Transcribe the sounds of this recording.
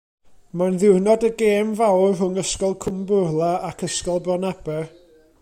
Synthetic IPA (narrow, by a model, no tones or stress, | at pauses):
manðɪwrnɔdəɡeːmvawrɦʊŋəskɔlˠkʰʊmbʊrlˠaakʰəskɔlˠbrɔnab̥ɛ